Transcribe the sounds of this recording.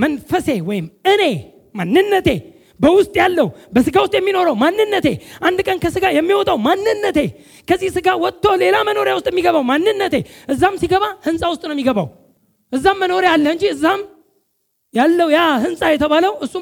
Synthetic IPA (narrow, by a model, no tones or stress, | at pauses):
mənfəse̞wɔjɪmɨne̞ | manːɨnːət̪ʰe̞ | bəwʊst̪ʼjalːəhubəsɨɡawʊst̪ʼjɛmːino̞ɾəwmanːɨnːət̪e̞̰ʔand̪kʼənkʰəsɨɡajɛmːiwɔt̪ʼawmanːɨnːət̪e̞ | kʰəzːihsɨɡawɔt̪ːo̞le̞laməno̞ɾjawʊst̪ʼjɛmːiɡəβawmanːɨnːət̪e̞ʔɨzːamsiɡəβahɨnsʼawʊst̪ʼnəwmːiɡəβa̰w | ʔɨzːamːəno̞ɾealːəhɨɲd͡ʒiɨzːam | jalːəwujahɨnsʼajɛt̪ʰəβaləwʔɨsːu